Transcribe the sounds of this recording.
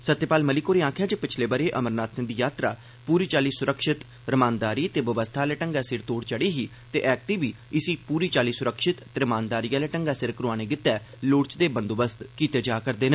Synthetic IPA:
sət̪ːjəpaːlməlikoːɾeːãːkʰjaːd͡ʒəpɪt͡ʃʰleːbəɾeːʔəməɾnaːt̪ʰɪ̃nd̪iːjaːt̪ɾa̰ː | puːɾiːt͡ʃaːliːsʊɾəkʃɪt̪ | ɾəmãːnd̪aːɾiːt̪eːʋəʋəst̪ʰaːleːʈəŋɡaːsɪɾt̪oːɽt͡ʃəɽiːɦiː | t̪eːʔɛːk̚t̪iːbiː | ɪsiːpuːɾiːt͡ʃaːliːsʊɾəkʃɪt̪ɾəmãːnd̪aːɾijaːleːʈəŋɡaːsɪɾkɾoaːneːɡɪt̪ːɛː | loːɽt͡ʃd̪eːbənd̪obəst̪kiːt̪eːd͡ʒaːkəɾd̪eːnə

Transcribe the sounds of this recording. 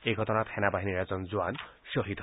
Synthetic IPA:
eɡʱɔtɔnat̪henabaɦiniɾazɔnzuanʃoɦid̪ʱ

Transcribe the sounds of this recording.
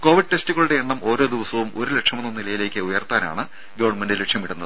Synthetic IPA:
ko̞ːʋiɖ̚ʈe̞stuɣɐɭuɽe̞ːɳːɐmo̞ːɾo̞ːd̪iʋɐsɐʋumo̞ɾule̞ʈʂɐmenːɐmnilɐjile̞ːkʲːɨujɐrt̪aːna̰ːɳɨ | ɡɐʋɐrɳmendɨlekʂɐmiɽunːɐðɨ

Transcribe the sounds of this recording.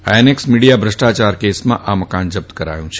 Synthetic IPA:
a̰jeneksmiɽijabʱɾəʂʈat͡ʃaɾkesmãʔʔaməkand͡ʒəb̚t̪kəɾa̰jũt͡ʃʰe̥

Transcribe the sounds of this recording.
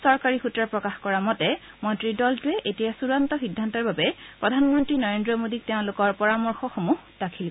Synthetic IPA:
sɔɹkaɹixutɹaɹpɹɔkaxkɔɹamɔtɛ | mɔntɹidɔltʊɛʔetijasuɹantɔxidʱːantɔɹbabɛpɹɔdʱanmɔntɹinɔɹendɹɔmodik̚teʊ̃lʊkɔɹpɔɹamɔɹxɔxomuɦd̥akʰil

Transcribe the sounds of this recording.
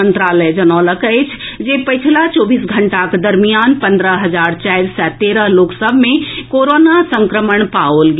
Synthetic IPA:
ənt̪ɾaləjd͡ʒənɔləkəɪt͡ʃʰ | d͡ʒepəjt͡ʃʰlat͡ʃobiːsɡʱəɳʈakd̪əɾmijanpə̃nd̪ɾəɦəd͡ʒaɾt͡ʃaiɾsɛt̪eɾəɦloksəbʱmekoɾonasəŋkɾəməɳpaolɡe

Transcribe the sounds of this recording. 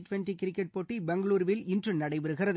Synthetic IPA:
ʈʋɛɳʈikɪɾɪkːɛʈ̚poːʈːibɛŋɡɐɭuːɾʋɪlɪndrɯmnɐɽɐɪpɛɾɯɣɪɾɐð

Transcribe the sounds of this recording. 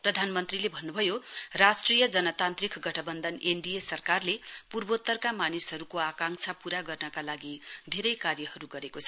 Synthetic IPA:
prʌd̪ʱanmʌnt̪rilebʱʌnːubʱʌjorasʈrijʌd͡zʌnʌt̪ant̪rikɡʌʈʰʌbʌnd̪ʱʌneɳɖiesʌrkarlepurbot̪ːʌrkamanisɦʌɾukoakaŋsʰapuɾaɡʌrnʌkalaɡid̪ʱeɾʌjkarjʌhʌɾuɡʌɾekot͡sʰʌ

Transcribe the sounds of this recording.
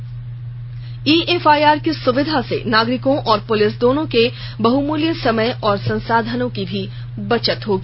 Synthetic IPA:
iːʔeːfaːjaːɾkisʊʋɪd̪ʱasḛnaːɡɾɪkõʔɔːɾpʊlɪsd̪oːnõke | bɐɦumuːljəsɐməjʔɔːɾsɐ̃nsaːd̪ʱənõkibʱi | bɐt͡ʃət̪ɦoːɡiː

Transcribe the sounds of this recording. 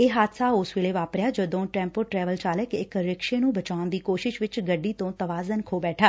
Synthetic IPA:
eːɦaːt̪saːʊsʋɪːleːʋaːpɾɪjaːd͡ʒəd̪õːʈɾɛ̃ːmpəɾʈɾɛːʋəlt͡ʃaːləkɪkɾɪkʃeːnũːbət͡ʃaːnd̪iːkoːʃɪʃʋɪt͡ʃɡəɖːiːt̪õːt̪əʋaːzənkʰoːbɛːʈʰaː

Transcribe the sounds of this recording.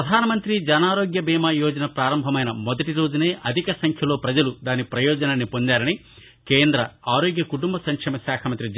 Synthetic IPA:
ɾɐd̪ʱaːnɐmɐnt̪ɾid͡ʒɐnaːɾoːɡjɐbiːmaːjoːd͡ʒɐnɐpɾaːɾɐmbʱɐmɐjnɐmɔd̪ɐʈiɾo̞ːd͡ʒune̞ːʔɐd̪ʱikɐsɐŋkʰjɐlo̞ːpɾɐd͡ʒɐlud̪aːnipɾɐjoːd͡ʒɐnaːnːipond̪aːɾɐni | keːnd̪ɾɐaːɾoːɡjɐkuʈumbɐsɐŋkʂɛmɐsaːkʰɐmɐnt̪ɾid͡ʒ

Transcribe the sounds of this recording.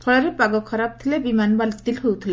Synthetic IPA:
pʰɔɭaɾepaɡokʰːɔɾab̚t̪ʰilebimanbalt̪ːilɦowt̪ʰile

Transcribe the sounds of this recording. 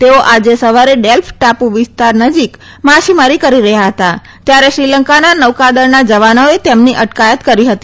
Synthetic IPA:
t̪eoʔad͡ʒesəʋaɾeɖelfʰʈapuʋɪst̪aɾnəd͡ʒik | maʃimaɾikəɾiɾəɦjaɦət̪a | t̪jaɾeʃɾiləŋkananəʋkad̪əɾnad͡ʒəʋanoet̪emniʔəʈkajət̪kəɾiɦət̪i

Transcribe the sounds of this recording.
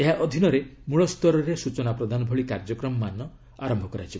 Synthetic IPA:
eɦaʔɔd̪ʱinɔɾemuɭɔst̪ɔɾɔɾesut͡ʃɔnapɾɔd̪ʱanɔbʱɔɭikaɾd͡ʒɔkɾɔmɔːanɔ | aɾɔmbʱɔkɔɾat͡ʃʰib

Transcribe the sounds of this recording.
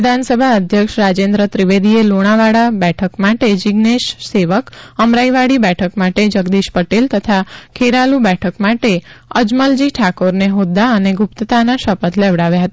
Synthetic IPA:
ʋid̪ʱansəbʱaəd̪ʱjəkʃɾad͡ʒend̪ɾət̪ɾiʋed̪ieloɽ̃aʋaɭabɛʈʰəkmaʈed͡ʒɪɡneʃseʋəkəmɾaiʋaɽibɛʈʰəkmaʈed͡ʒəɡd̪iʃpəʈelt̪ət̪ʰakʰeɾalubɛʈʰəkmaʈeəd͡ʒməld͡ʒiʈʰakoɾneɦod̪ːaəneɡʊpt̪ət̪anaʃəpət̪ʰleʋɽaʋjaɦət̪a

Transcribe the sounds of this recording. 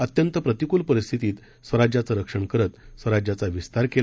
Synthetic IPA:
ət̪jənt̪əpɾət̪ikuːlpəɾist̪ʰit̪iːt̪ | sʋəɾad͡ʑat͡səɾəkʂəɳkəɾət̪sʋəɾad͡ʑat͡saʋist̪aɾkel

